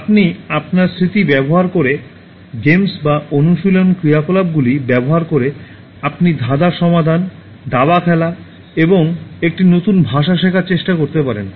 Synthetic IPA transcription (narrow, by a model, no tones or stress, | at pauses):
apniapnaɾsɾit̪ibɛboɦaɾkoɾe | ɡemsbaʔonuʃilonkɾijakolab̚ɡulibɛboɦaɾkoɾe | apnid̪ʱad̪aɾʃɔmad̪ʱan | d̪abakʰɛla | eboŋek̚ʈinot̪unbʱaʃ̬aʃ̬ekʰaɾt͡ɕeʃʈakoɾt̪epaɾḛn